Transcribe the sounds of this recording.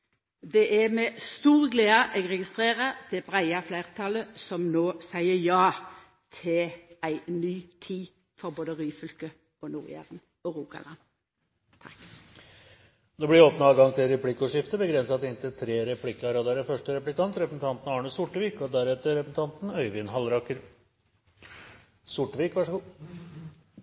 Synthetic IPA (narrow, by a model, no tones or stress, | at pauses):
d̪ɛʔæmɛst̪uːʁɡleːd̪ɑʔeːɡʁɛɡɪst̪ʁeːʁəd̪̥ɛbʁæɪɑflæɪʁt̪ʰɑləsɔmnoːsæɪəjɑː | t̪ʰɪlæɪnyːt̪ʰiː | fɔʁboːd̪əʁyːfʏlkə | ɔnuːʁ̰æ̰ʁən | ɔʁuːkɑ̰lɑ̰n | t̪ʰɑk | d̪ɛbɽɪɾoːpnəɑːɡɑŋt̪ʰɪlɾɛpʰlɪkːəɔʂɪft̪əbəɡɾɛnsɑt̪ɪnt̪ɪlt̪ʰɾeːɾɛpʰlɪkːəɑɾɑːd̪ɑɾəfœʂʈəɾɛplɪkɑnt̪ɾɛpsn̩t̪ʰɑnt̪n̩ɑːɳʉsʊʈːʋiːkɔd̪æɾɛt̪əɾɛpsn̩t̪ʰɑnt̪nœʏʋɪnɦɑlɾɑkəɾ | sʊʈʋiːkʋæʂəɡuː